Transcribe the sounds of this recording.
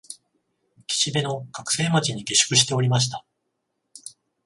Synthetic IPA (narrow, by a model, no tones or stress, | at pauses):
kʲi̥ɕid̪e̞no̞kakɯ̟̥se̞ːmat͡ɕiɲ̟iɡe̞ɕɨ̥kɯ̟ɕi̥t̪e̞o̞ɾʲimaɕ̬i̥t̪a